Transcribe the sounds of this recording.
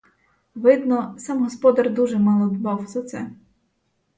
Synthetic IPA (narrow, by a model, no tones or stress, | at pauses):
ʋɪd̪nɔsɑmɦɔspɔd̪ɐrd̪uʒɛmɑlˠɔd̪bɑwzɐt̪sɛ